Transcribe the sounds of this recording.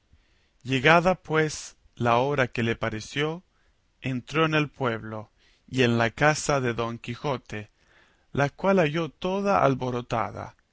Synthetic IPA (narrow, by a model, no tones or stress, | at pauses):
jeɣaðapwes | laoɾakelepaɾesjo | ent̪ɾoene̞lpwe̞βlo | ienlakasaðeðo̞ŋkixo̞t̪e | lakwalaʝot̪oðaʔa̰lβo̞ɾot̪a̰ða̰